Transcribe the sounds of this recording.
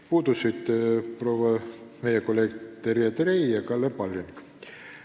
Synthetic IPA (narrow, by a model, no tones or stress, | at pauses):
puːd̪usit̪pro̞ːwɑme̞jekolːe̞ːɡt̪eɾjet̪rejjɑkɑlːepɑlʲːiŋk